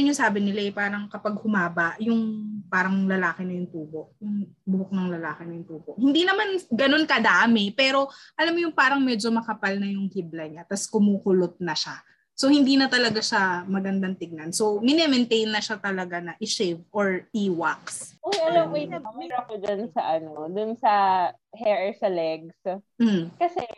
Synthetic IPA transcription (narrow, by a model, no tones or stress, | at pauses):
ɪɲʊsaːbɪnɪlaʔɛpaːɾɐŋkɐpɐɡ̚hʊmaːbɐʔjʊŋpaːɾɐŋlɐlaːkɪnɐjʊŋt̪uːbo̞ʔjʊŋbʊok̚nɐŋlɐlaːkɪnɐjʊŋt̪uːboʔhɪnd̪iːnɐmanɡɐno̞nkɐd̪aʔmɪpɛːɾo̞ʔɐlamːojʊŋpaːɾɐŋmɛːd͡ʒo̞mɐkɐpalnɐjʊŋhiblɐɲat̪ɐskʊmuːkʊlot̪̚nɐʃa | so̞hɪnd̪iːnɐt̪ɐlɐɡaʃamɐɡɐnd̪ɐŋt̪ɪɡ̚nɐnsowmɪnɛmɛnt̪ejnːɐʃat̪ɐlɐɡanɐʔɪʃɛvʔoɹʔiːwaksʔŋɐlɐmwɛjnɐmamɛɾɐkod͡ʒɐnsɐʔɐnod̪ʊnsɐ | hɛɹɛsɐlɛɡs̩ | kɐsɛ